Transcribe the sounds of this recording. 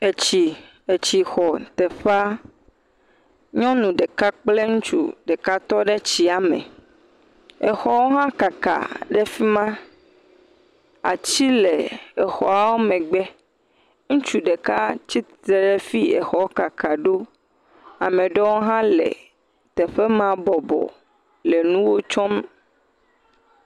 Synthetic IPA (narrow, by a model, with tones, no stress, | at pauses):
e˨t͡ɕi˨ | e˨t͡ɕi˨xɔ˨t̪ɛ˨ɸa˦ | ɲɔ̃˦nũ˨ɖe˨ka˦k͡ple˦ŋũ˦t͡ʃṵ˦ɖe˨ka˦t̪ɔ˦ɖe˦t͡ɕi˦a˨mɛ̰̃˨ | e˨xɔ˦wo˦ɦã˦ka˨ka̰˨ɖɛ˦fi˦mã˦ | a̰˨t͡ɕi˦le˨ɛ˨xɔ˨a˨wo˦mɛ̃˨ɡ͡bɛ˦ | ŋũ˦t͡ʃu˦ɖe˨ka˦t͡ɕi˦t̪ɾɛ˨ɖɛ˦fi˦ḛ˨xɔ˨wo˦ka˨ka˨ɖo˦ | a˨mẽ˨ɖɔ˦wo˦ɦã˦lḛ˨ | t̪ɛ˨ɸe˦mã˦bɔ˨bɔ̰˨ | le˨nũ˦wo˦t͡ʃɔ˦m